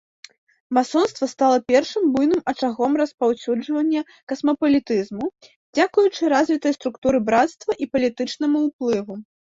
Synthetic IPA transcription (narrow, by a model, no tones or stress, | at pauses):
masɔnst̪vɐst̪alˠɐpʲɛrʂɨmbujnɨmɐt͡ʂaɣɔmrɐspawsʲud͡ʐvɐnʲːɐ | kɐsmɐpɐlʲit̪ɨzmu | d͡zʲakujut͡ʂɨɾazʲvʲit̪ɐjst̪ɾukt̪uɾɨbɾat̪st̪vɐʔipɐlʲit̪ɨt͡ʂnɐmɐwplˠɨvu